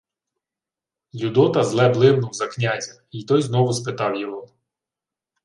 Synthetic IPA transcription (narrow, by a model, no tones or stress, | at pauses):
jud̪ɔt̪ɐzlˠɛblˠɪmnʊwzɐknʲazʲɐ | it̪ɔjznɔʋʊspɪt̪ɑwjɔɦɔ